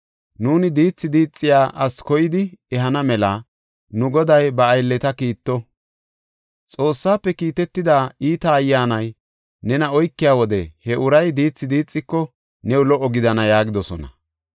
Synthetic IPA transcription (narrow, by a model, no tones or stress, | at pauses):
nuːnɪd̪iːt͡sːɪd̪iːt͡sʼːɪjaːʔɐskɔjɪd̪ɪɛɦɐnɐmɛlɐ | nʊɡɔd̪ɐjbɐːjlːɛt̪ɐkiːt̪ːɔ | t͡sʼo̞ːsːaːpːɛkiːt̪ɛt̪ːɪd̪aːiːt̪ɐːjːaːnɐj | nɛnɐɔjkːɪjaːwɔd̪ɛhɛʔʊɾɐjd̪iːt͡sːɪd̪iːt͡sʼːɪkːɔ | nɛwlɔʔːɔɡɪd̪ɐnɐjaːɡɪd̪ɔsɔnɐ